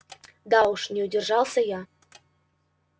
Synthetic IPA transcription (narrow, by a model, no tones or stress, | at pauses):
d̪ɑuʃnʲeudʲerʒɑlˠsɤ̆jɑ